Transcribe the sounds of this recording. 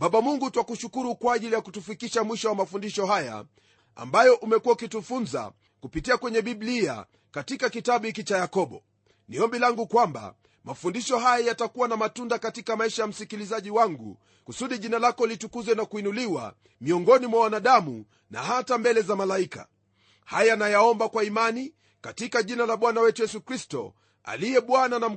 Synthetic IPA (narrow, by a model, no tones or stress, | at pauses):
ɓaɓamuŋɡutwakuʃukuɾukwaːʄilijakutufikiʃamwiʃɔwamafundiʃɔhaja̰ | a̰mbajɔʔumɛkuwaukitufunza̰ | kupitiakwɛɲɛɓiɓlia̰ | katikakitaɓuhik̬it͡ʃajakɔɓɔ | niɔmbilaŋɡukwamba̰ | mafundiʃɔɦajajatakuwanamatundakatikamaiʃajam̩sikilizaʄiwaŋɡṵ | kusuɗiʄinalakɔlitukuzwɛnakuinuliwa̰ | miɔŋɡɔnimwawanaɗamṵ | na̰hatambɛlɛzamalaika̰ | hajanajaɔmbakwaimani | katikaʄinalaɓwanawɛtujɛsukɾistɔ̰ | a̰lijɛɓwananam̩